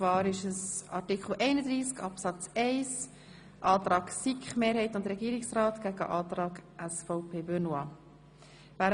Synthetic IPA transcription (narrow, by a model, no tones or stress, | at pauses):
vɑːɾɪʃəsɑ̰ɾtikχl̩ʔɛɪnəd̪ɾiːskɑpsɑt͡sɛɪs | ʔɑːt̪ɾɑːɡsikχmeːɾhɛɪtʊndɾɛɡiːɾɪksrɑːt̪ɡ̥æɡə̰ʔɑːt̪ɾɑːɡʔæsfɔʊpʰeːbønwɑ | væː